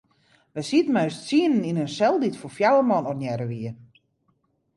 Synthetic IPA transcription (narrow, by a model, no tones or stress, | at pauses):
ʋɛsitmœɥstsiənəninənsɛlˠditfofjawəmɔnɔnjɛɾəʋiə